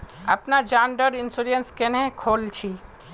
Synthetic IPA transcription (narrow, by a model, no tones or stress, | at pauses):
ə̰pnad͡ʒãːnɖəɾɪnsuɾənskenɦẽkʰoːlt͡ʃʰi